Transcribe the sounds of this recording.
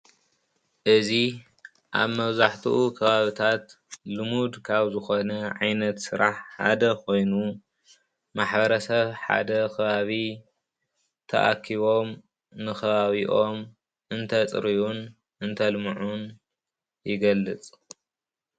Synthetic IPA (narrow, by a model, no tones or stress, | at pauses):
ʔɨzi | ʔa̰βmɐβzaħt̪ʰuʔukʰɐβaβit̪ʰat̪ | lɨmud̪kʰaβzɨxonɐʕa̰jnɐt̪sɨɾaħħa̰d̪ɐkʰo̞jnu | maħbɐɾɐsɐβħa̰d̪ɐkʰɐβaβi | t̪ʰɐ̰ʔa̰kʰːiβo̞m | nɨxʰɐβaβiʔo̞m | ʔɨnt̪ʰɐt͡sʼɨɾiʔun | ʔɨnt̪ʰɐlmuʕun | jɪɡɐlːɨt͡sʼ